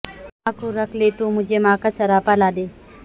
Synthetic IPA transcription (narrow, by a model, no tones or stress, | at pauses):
aːkoɾɐkʰlet̪umʊd͡ʒʱemaːkasɐɾaːpalaːd̪eː